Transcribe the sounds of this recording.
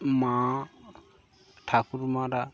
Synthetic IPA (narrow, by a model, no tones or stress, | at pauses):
mã | ʈʰakuɾmãɾa